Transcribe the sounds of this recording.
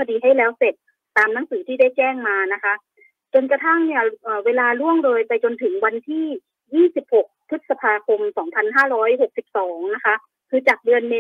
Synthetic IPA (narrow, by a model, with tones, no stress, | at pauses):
kʰa˧diː˧ɦa˥˩jlɛː˦˥wse˨˩t̪̚ː | aː˧mna˦˥˩ŋsɯː˩˦t̪ʰiː˥˩da˥˩jt͡ɕɛː˥˩ŋmaː˧na˦˥kʰa˦˥ʔ | t͡ɕo˧nka˧t̪ʰa˥˩ŋni˦˥˩əʔəː˨˩weː˧laː˧lu˥˩əŋdoː˧jpa˧jt͡ɕo˧nt̪ʰɯ˩˦ŋwa˧nt̪ʰiː˥˩ | jiː˥˩si˨˩p̚ho˨˩k̚p̪ʰɯ˦˥t̪̚sa˧pʰaː˧kʰo˧msɔː˩˦ŋpʰa˧nɦaː˥˩ɾɔː˦˥jɦo˨˩k̚si˨˩p̚sɔː˩˦ŋna˦˥kʰa˦˥ʔ | kʰɯː˧t͡ɕaː˨˩k̚dɯ˧ənme˦˥